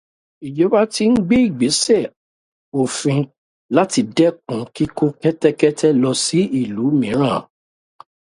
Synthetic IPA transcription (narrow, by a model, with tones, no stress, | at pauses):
i˨d͡ʒo˨˦ba˦ti˧n̩˦ɡ͡be˦i˦˨ɡ͡be˨˦sɛ˦˨ | o˨fĩ˧ | la˦ti˧dɛ˦kũ˨˦ki˦ko˦kɛ˦tɛ˦kɛ˦tʰɛ˦lɔ˧si˨˦i˦˨lu˨˦mĩ˨˦ɾ̃ã˦˨